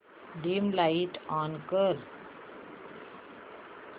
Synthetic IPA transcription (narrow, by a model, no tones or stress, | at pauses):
ɖɪ̃mlaɪʈãːnkəɾ